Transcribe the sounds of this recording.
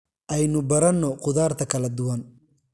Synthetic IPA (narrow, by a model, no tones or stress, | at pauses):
ʔɛjnʊbɐɾɐnːɔqʊðaːrt̪ʰɐkʰɐlɐd̪ʊwɐn